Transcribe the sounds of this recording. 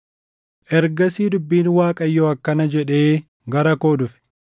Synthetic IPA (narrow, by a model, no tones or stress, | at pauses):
ʔɛɾɡɐsiːd̪ʊbːiːnwaːkʼɐjːoːɐkːɐnɐd͡ʒɛᶑe̞ː | ɡɐɾɐko̞ːd̪ʊfɪ̥